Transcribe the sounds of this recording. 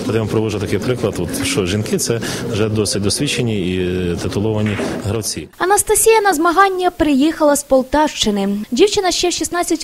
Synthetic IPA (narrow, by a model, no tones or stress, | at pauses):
p̪ɐd̪ɛʋɐmpɾɔʋɔʒʊt̪ɐkɪjpɾɪklˠɐt̪ɔt̪ʃt͡ʃɔʒinkɪt̪sɛwʒɛd̪ɔsɪt̚ʲd̪ɔsʲʋʲit͡ʃenʲiit̪ɪt̪ʊlˠɔʋɐnʲiɦɾɐwt͡sʲiɐnɐst̪ɐsʲijɐnɐzmɐɦɑnʲːɐpɾɪjixɐlˠɐspɔlˠt̪ɑwʃt͡ʃɪnɪdʲiwt͡ʃɪnɐʃt͡ʃɛʃisnɑt͡sʲːɐtʲ